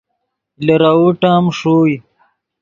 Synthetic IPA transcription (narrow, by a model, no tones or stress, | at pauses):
lɐɾauʈaːmʂoːj